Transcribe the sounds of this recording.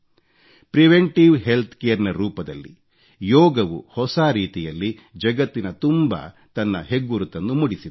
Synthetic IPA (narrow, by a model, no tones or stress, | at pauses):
pɾiʋeɳʈiʋɦe̞lt̪ʰkejɐɾnɐɾuːpɐd̪ɐ̰lːḭ | jɔːɡɐʋṵhɔsaːɾiːt̪ijɐlːi | d͡ʒɐɡɐt̪ːinɐt̪umbɐ̰ | t̪ɐnːɐ̰ɦeɡːuɾut̪ːɐnːumuɽisid̪